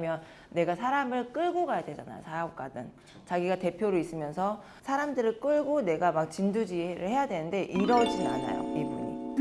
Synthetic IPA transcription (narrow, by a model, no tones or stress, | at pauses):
mjʌnː | e̞ɡasʰaɾamɯɭk͈ɯɭɡoɡajadwe̞d͡ʑana̰jo̰sajaok̚k͈adɯn | t͡ɕaɡiɡate̞pʰjoɾois͈ɯmjʌnsʰʌ | sʰaɾamdɯɾɯɭk͈ɯɭɡone̞ɡamak̚t͡ɕindud͡ʑiɾɯ̰ɭhe̞jadwe̞nɯnde̞ʔiɾʌd͡ʑia̰na̰jo̰ibuɲḭ